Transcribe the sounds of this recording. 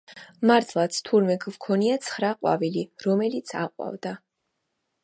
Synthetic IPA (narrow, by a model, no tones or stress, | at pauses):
maɾt̪ʰlˠat̪sʰt̪ʰuɾmɛkʰvkʰɔniat̪sʰχɾaqʼwa̰viliɾɔmɛlit̪sʰaqʼwa̰vd̪a